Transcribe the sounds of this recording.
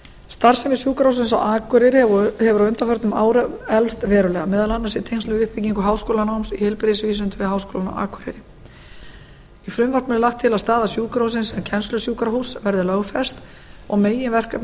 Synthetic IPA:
st̪aɾ̥sɛmɪsjuːkɾahuwsɪnsa̰waːkʏɾɪɾɪhɛvʏɾawʏnt̪afœɾ̥t̪nʏma̰ːwɾɛlst̪vɛːɾʏlɛɣamɛːðalanːasɪt̪ʰejŋst̪ʏvʏhpiciŋkʏɦaːwskoːlanawmsihɛlpɾeðsviːsʏnt̪ɪvɪðɦaːwskoːlana̰wa̰ːkʰʏɾɪ̰ɾɪ | ifɾʏmvɔrt̪nʏnɪlaxt̪ʰːɪlast̪aːðasjuːkaɾhuws̬ɪnsɛmcʰɛnslʏsjuːkaɾaɦusvɛɾðɪlœɣfɛ̥st̪ | ɔɣmeːjɪnvɛr̥ka

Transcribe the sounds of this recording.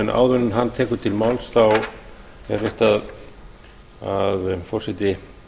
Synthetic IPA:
nʔa̰ːwðvʏnʏnɦanːt̪ʰɛːkʏt̪ʰɪlmawlsθaw | ɛ̰ɾvɪht̪að | aðfɔr̥sɪt̪ɪ

